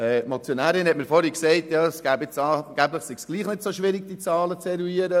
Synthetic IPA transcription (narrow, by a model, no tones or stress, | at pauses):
ɛmot͡sjonæːɾɪnhɛtməɾfɔɾhiksɛɪtjɑːsɡ̥æːbɪt͡sɑːɡ̥æbləχsiɡ̥sɡ̥liːχnɪdsoʃʋɪɾɪɡ̚d̥it͡sɑːlət͡sɛɾuiəɾə